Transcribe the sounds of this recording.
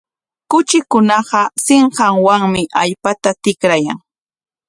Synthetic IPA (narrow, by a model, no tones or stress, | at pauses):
kʊt͡ʃɪkʊnɑɢɑsɪɴɢɑŋwaŋmɪʔaʎpat̪at̪ɪkɾaja̰ŋ